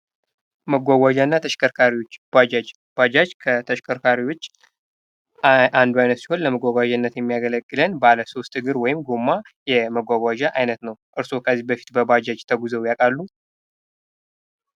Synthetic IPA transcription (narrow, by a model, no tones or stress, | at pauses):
məɡʷaɡʷad͡ʒanːat̪ʰəʃkʰəɾkʰaɾiot͡ʃːad͡ʒad͡ʒ | b̥ad͡ʒat͡ʃkʰət̪ʰəʃkʰəɾkʰaɾiwo̞t͡ʃː | ʔand̪uajnət̪si̥ho̞nləməɡʷaɡʷad͡ʒanːət̪jɛmːijaɡələkʼːɨlənbaləso̞st̪ɨɡɨɾwɔjɪmɡomːa | jɛməɡʷaɡʷad͡ʒaʔajnət̪nəwʔʼɨɾso̞kʰəzːibəfi̥t̪bəbad͡ʒad͡ʒt̪ʰəɡuzəwjakʼalːu